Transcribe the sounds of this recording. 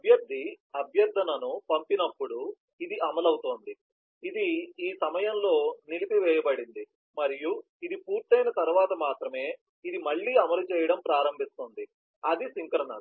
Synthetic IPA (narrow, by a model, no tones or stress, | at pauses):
ɐbʱjɐɾd̪ʱi | ɐbʱjɐɾd̪ʱːɐnɐnupɐmpinɐpːuɽu | id̪iɐmɐlɐwut̪oːnd̪i | id̪iiːsɐmɐjɐnlo̞ːnilipiʋɛːjɐbɐɽind̪i | mɐɾiju | id̪ipuːɾt̪ːɐjnɐt̪ɐɾuʋaːt̪ɐmaːt̪ɾɐme̞ː | id̪imɐɭːiːɐmɐlut͡ʃɛːjɐɽɐmpɾaːɾɐmbʱist̪oːnd̪i | ɐd̪isiŋkɐɾɐnɐ